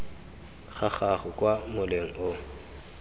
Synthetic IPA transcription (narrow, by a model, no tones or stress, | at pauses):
χaχaχʊkʼwamʊleŋ̩ʊ